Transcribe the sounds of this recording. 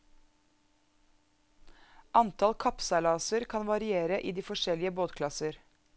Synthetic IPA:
ʔɑnt̪ʰɑlkʰɑpsɑlɑːsəɾkʰɑnʋɑɾɪeːɾəʔiːd̪iːfɔʃɛlɪəboːt̪kʰlɑsəɾ

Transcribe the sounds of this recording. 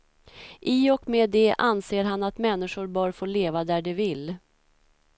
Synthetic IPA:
ʔɪɔkmeːd̪ɛʔanseːɾɦanːat̪mɛnːɪʂʊɾbœːɾfoːɭeːvad̪æɖɛvɪlː

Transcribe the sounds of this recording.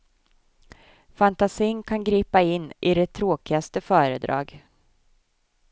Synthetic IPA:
fant̪asiːŋkʰanɡɾiːpaɪnːʔɪd̪ɛt̪ʰːɾoːkɪɡast̪əfœːɾəd̪ɾɑ̰ːɡ

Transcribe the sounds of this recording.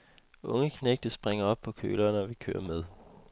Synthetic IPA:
ʔɔ̽ŋəkʰneɡ̥̚d̥əsb̥ʁeŋɐɒ̽b̥̚pʰɒ̽kʰø̰ːlɐːnɒʋikʰø̰ːɐmeð̞ˠ

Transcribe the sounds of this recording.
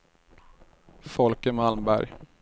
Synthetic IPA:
fɔlkəmalmbæ̰ɾj

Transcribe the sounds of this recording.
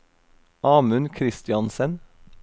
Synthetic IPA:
ʔɑːmʉnkʰɾɪst̪ɪɑnsən

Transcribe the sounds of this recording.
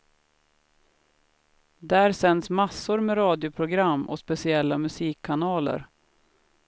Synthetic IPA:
d̪æːɾsɛnsmasːʊɾmeɾɑːd̪jʊpʰɾʊɡɾamːɔ̰spɛsɪɛlːamɵsiːkʰːanɑːlə̰ɾ

